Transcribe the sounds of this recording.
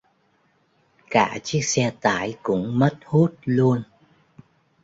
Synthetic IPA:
kaː˧˩t͡ɕi˦˥ək̚sɛ˧t̪aː˧˩jkʊ̰˧˥ŋ͡mmə˦˥t̚hu˦˥t̚lu˧ən

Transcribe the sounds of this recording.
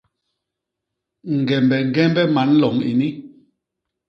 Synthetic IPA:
ŋ̩˨ɡɛ˨mbɛ˨ŋ̩˦ɡɛ˦m˦bɛ˦ma˨˦n˦lɔ˨ŋḭ˨ni˦

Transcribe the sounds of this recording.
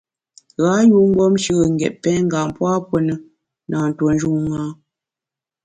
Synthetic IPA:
ɣa˨˦ju˦ŋ̩˦ɡɔ˦mʃə˦ɣə˨ŋ˨ɡɛ˨ʔ̚pɛ˦ŋ̩˦ɡa˨m˨pwa˦pwə˦nə˦ | na˨n̩˨two˨n˦d͡ʒu˦ŋa˦

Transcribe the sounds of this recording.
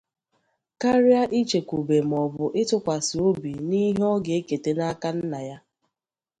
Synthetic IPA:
ka˦ɾja˦ʔi˦t͡ʃe˨kʷu˨be˨m̩˨ɔ˨bʊ˨ʔɪ˦tʊ˦kʷa˨sɪ˨o˦bi˨ni˦ɦɔ˦ɡe˨e˦ke˨te˨na˦ka˦n̩˦na˨ja˦

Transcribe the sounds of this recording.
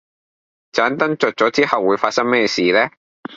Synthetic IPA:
t͡saː˨˥nt̪ɐ˥ŋt͡sœ˨˩t̚t͡ʃɔː˨˥t͡siː˥hɐ˨wːuː˨˧jfaː˧t̚sɐ˥ŋmɛː˥jɛ˧siː˨lɛː˥

